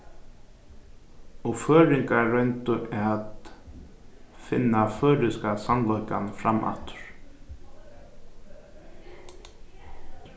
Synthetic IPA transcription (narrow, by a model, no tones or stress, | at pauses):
ɔɣfœːɾɪŋkaːœɥnt̪ʏʔɛat̪ | fɪ̰nːafœːɾɪskasamnlɔjkanfɾama̰ft̪ʏ̥ɾ̥